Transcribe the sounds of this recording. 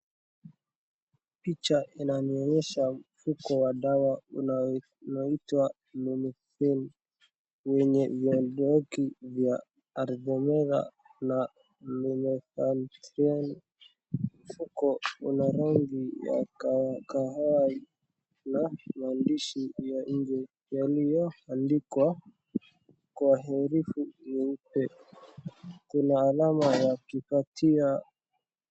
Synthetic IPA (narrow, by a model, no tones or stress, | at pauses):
pit͡ʃaʔinaniɔɲɛʃamfukɔwaɗawau | nɔitwa | lumiθɛn | wɛɲɛvjɔdɔkivjaː | ɾɡɔmɛɾa̰ | na | mɛnɛfantɾan | m̩fukɔṵnaɾaŋɡija̰kkaɦai | namaːndiʃijaɲ̩d͡ʒɛ | jalijɔandikwa | kwaɦɛɾifuniupɛ | kunaːlamawakipatia